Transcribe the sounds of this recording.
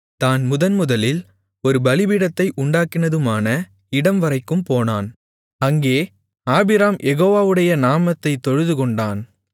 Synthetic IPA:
t̪aːnmʊðɐnmʊðɐlɪl | ɔɾɯbɐlɪbɪɽɐt̪ːɐɪʔʊɳɖaːkːɪnɐðɯmaːnɐ | ɪɽɐmʋɐɾɐɪkːɯmpoːnaːn | ɐŋɡeː | aːbɪɾaːmjʔɛɣoːʋaːʋɯɽɐjɐnaːmɐt̪ːɐɪt̪ːɔɻɯðɯkɔɳɖaːn

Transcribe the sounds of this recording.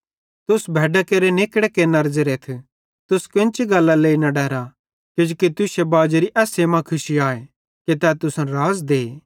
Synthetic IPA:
t̪ʊsbʱɛːɖakeːɾenɪkɽekenɐɾd͡ʒeɾeːt̪ʰ | t̪ʊskɪ̃nt͡ʃiɡɐlːaleːinɐɖɛːɾa | kɪd͡ʒuːkit̪ʊsebaːd͡ʒɾiʔɛːsemãkʰʊsiaːe | ket̪ɛːt̪ʊsɾaːzd̪eː

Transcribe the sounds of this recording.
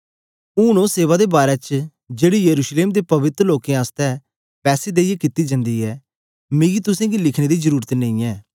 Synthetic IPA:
uːñõːseːʋad̪ebaːɾɛt͡ʃ | d͡ʒeːɽijəɾuːʃleːmd̪epɐʋɪt̪ɾloːkẽaːst̪ɛ | pɛːsed̪eːiekɪt̪ːid͡ʒə̃nd̪iːɛː | mĩːɡit̪ʊsẽːɡilɪkʰɽ̃eːd̪izəɾuːɾət̪nẽĩːɛː

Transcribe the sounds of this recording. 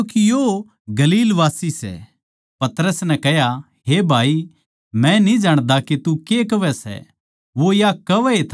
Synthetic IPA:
ukijo | ɡɐliːlʋaːsisɛ̰ | pɐt̪ɾəsnɛkɛɦja | ɦebʱaːi | mɛ̃nid͡ʒaːɽ̃d̪aket̪ukekɐʋɛsɛ̰ | ʋojakɐʋɛet̪ʰː

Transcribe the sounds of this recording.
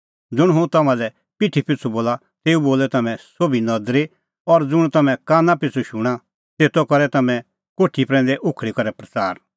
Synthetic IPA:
d͡zʊɽ̃ɦʊ̃t̪ɐmãlɛ | pɪʈʰipɪt͡sʰuboːla | t̪eːuboːlɛt̪ɐmɛ̃sobinɐd̪ɾe | ɔɾd͡zʊɽ̃t̪ɐmɛ̃kaːnãpɪt͡sʰuʃʊɽ̃a | t̪eːt̪ɔkɔɾɛt̪ɐmɛ̃ | koːʈʰipɾɛ̃ːnd̪ɛʔʊkʰɽikɐɾɛpɾɐt͡saːɾ

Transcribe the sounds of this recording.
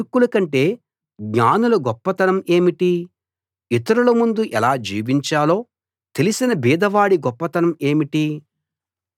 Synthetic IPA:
kːulɐkɐɳʈe̞ː | ɡɲaːnulɐɡɔpːɐt̪ɐnɐme̞ːmiʈi | it̪ɐɾulɐmund̪uʔɛlaːd͡ʒḭːʋiɲt͡ʃaːlo̞ː | t̪e̞lisinɐbiːd̪ʱɐʋaːɽiɡɔpːɐt̪ɐnɐme̞ːmiʈi

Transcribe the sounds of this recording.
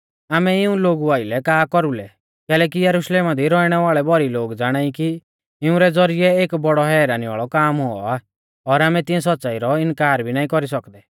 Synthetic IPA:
aːmɛɪũloːɡuaːɪlɛkaːkɔɾulɛ | kɛːlɛk̬ijɐɾuʃleːmad̪ʱiɾɔiɽ̃ɛʋaːɭɛbʱɔɾiloːɡd͡zaːɽ̃aːiki | ɪũɾɛd͡zɔɾijɛeːkbɔɽɔɦɛːɾaːniʋa̰ːɭɔkaːmɦoɔ̰aː | ɔɾaːmɛ̃t̪ɪ̃ɛ̃s̬ɔtːsaːiɾɔɪnkaːɾbʱinaːĩkɔɾisɔkd̪ɛ

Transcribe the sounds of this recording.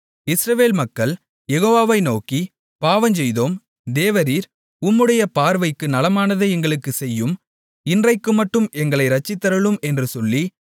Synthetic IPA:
ɪsɾɐʋeːlmɐkːɐɭ | jɛɣoːʋaːʋɐɪnoːki | paːʋɐɲd͡ʒɛjðoːm | d̪eːʋɐɾiːɾ | ʊmːɯɽɐjɐpaːɾʋɐɪkːɯnɐlɐmaːnɐðɯɛŋɡɐɭɯkːɯsɛjːɯm | ɪndrɐɪkːɯmɐʈːɯmʔɛŋɡɐɭɐɪɾɐt͡ʃːɪt̪ːɐɾɯɭɯmɛndrɯsɔlːi

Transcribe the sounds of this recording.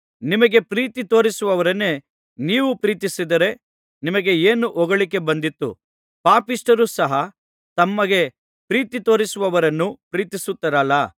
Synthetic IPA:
nimɐɡe̞pɾiːt̪it̪o̞ːɾisuʋɐʋɐɾɐnːe̞ | niːʋupɾiːt̪isid̪ɐɾe̞ | nimɐɡe̞eːnuʔɔɡɐɭike̞bɐnd̪it̪ːṵ | paːpisʈɐɾusɐɦɐ | t̪ɐmːɐɡe̞ | pɾiːt̪it̪o̞ːɾisuʋɐʋɐɾɐnːupɾiːt̪isut̪ːɐɾɐlːɐ

